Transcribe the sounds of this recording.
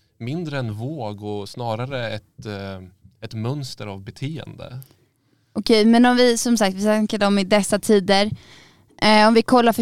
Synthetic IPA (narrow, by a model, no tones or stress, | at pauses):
mɪnd̪ɾəɛnvoːɡɔsnɑːɾaɾəɛt̪ | ɛt̪mœnst̪əɾavbɛt̪ʰeːə̰nd̪ə̰ | ʔʊkʰɛjmɛnɔmvɪsɔmsak̚t̪vɪsaŋkəɖɔmɪd̪ɛsːat̪ʰiːd̪əɾ | ɔmvɪkʰɔlːaɾfœ